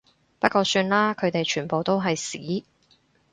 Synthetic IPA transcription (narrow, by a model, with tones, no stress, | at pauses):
pɐ˥kʷɔː˧syː˧nlaː˥kʰɵ˨˧ɥt̪e˨jt͡ʃʰyː˨˩npo˨wt̪o˥wɦɐ˨jsiː˨˥